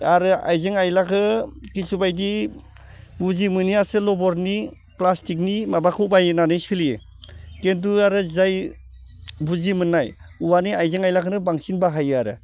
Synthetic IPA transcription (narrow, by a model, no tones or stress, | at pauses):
aɾɯa̰jzɯŋajlakʰɯkisubajdi | buzimɯniasɯlɔbɔɾni | plastik̬̚nimabakʰuwbajɯnanɯjsiljɯ | kent̬uaɾɯzaj | buzimɯnːaj | uwaniajzɯŋajlakʰɯnɯbaŋsinbaɦajɯaɾɯ